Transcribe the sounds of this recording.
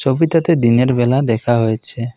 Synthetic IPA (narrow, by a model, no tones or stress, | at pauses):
t͡ʃobit̪at̪ed̪ineɾbɛlad̪ɛkʰaɦojt͡ʃʰe